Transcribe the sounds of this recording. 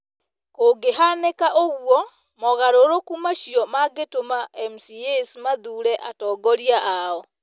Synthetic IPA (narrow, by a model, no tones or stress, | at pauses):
koːɡeɦanekaʔoɣwɔ | mɔɣaɾoɾokumaʃiɔmaɡetomaɛmsiesmaðuɾɛʔatɔːɡɔɾiaʔaɔ